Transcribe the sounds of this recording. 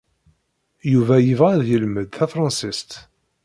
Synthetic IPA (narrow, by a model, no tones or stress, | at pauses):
juvæjəvʁæðjəlməðθæfɾˤɑnsist̪